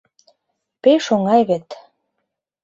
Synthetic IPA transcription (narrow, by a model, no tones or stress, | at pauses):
peʃoŋɑjβet̪